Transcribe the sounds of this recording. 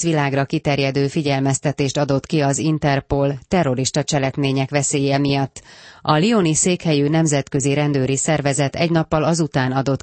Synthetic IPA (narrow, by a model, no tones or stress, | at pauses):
ʋilaːɡrɒkit̪ɛrjɛd̪øːfiɟɛlmɛst̪ɛt̪eːʃt̪ɒd̪o̞t̪kiɒzint̪ɛrpolt̪ɛrːo̞ɾiʃt̪ɒt͡ʃɛlɛkmeːɲɛkʋɛseːjɛmijɒt̪ːɒlioniseːkhɛjynɛmzɛt̪kø̞ziɾɛnd̪øːɾisɛrvɛzɛt̪ɛɟnɒpːɒlɒzut̪aːnɒd̪o̞t̪